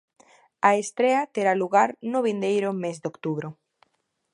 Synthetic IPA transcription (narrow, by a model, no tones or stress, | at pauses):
aest̪ɾeɐt̪eɾaluɣaɾnʊβind̪ejɾʊmezd̪okt̪uβɾʊ